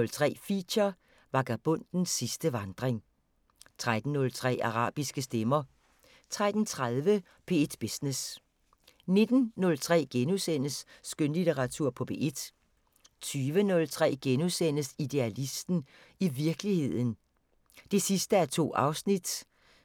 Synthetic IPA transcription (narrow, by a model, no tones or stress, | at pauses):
ɔlt͡sʰʁɛ̰ːfḭɕɐ | ʋɑ̈ɡ̥æb̥ɔ̽n̰d̥n̩sːisd̥əʋɑ̈nd̥ʁeŋ | t͡sʰʁad̥n̩ːɔ̽lt͡sʰʁɛ̰ːɑ̈ʁɑ̰̈ːb̥isɡ̥əsd̥emɐ | t͡sʰʁad̥n̩t͡sʰʁaðˠʋə | pʰe̝ed̥b̥esnes | ne̝d̥n̩nɔ̽lt͡sʰʁɛ̰ːɡ̥enusen̰əsːɡ̥ønlit͡seʁɑt͡sʰuɐ̰pʰɒ̽b̥e̝̰ːʔe̝d̥ | t͡sʰyːʋənɔ̽lt͡sʰʁɛ̰ːɡ̥enusen̰əsid̥e̝ælisd̥n̩ | iʋiɐɡ̥əlihe̝ð̞̰ˠn̩ | d̥e̝sisd̥əæɐt͡sʰo̝̰ːɑ̈ʊsnid̥